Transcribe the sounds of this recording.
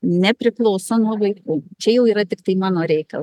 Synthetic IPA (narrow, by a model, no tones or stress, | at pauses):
nʲɛpʲɾʲɪklˠɐʊsonuɔʋɐɪkuːt͡ʃʲɛjɛʊiːɾɐt̪ʲɪkt̪ɐɪmɑːnoːɾʲɛɪkɐlˠ